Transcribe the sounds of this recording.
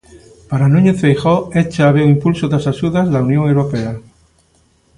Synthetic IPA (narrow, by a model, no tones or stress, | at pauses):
paɾanũɲeθejxoet͡ʃaaβeuimpulsoðasaʃuðazlaunjoŋewɾopea